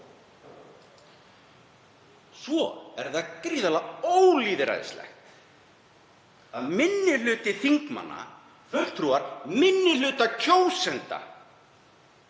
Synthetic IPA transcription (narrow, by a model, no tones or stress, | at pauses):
svɔɛɾðaðkɾiːðalaoːwliːðɪɾa̰jðɪ̰slɛ̰xt̪ | aðmɪnːɪlʏːt̪ɪθiŋkma̰nːa̰ | fœh̪t̪ʰɾuaɾmɪnːɪlʏːt̪acʰowsɛnt̪a̰